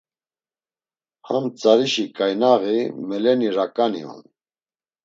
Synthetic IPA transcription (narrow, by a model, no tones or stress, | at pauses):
hamt͡sʼaɾiʃikʼajnaɣimɛlɛniɾakʼanḭɔ̰n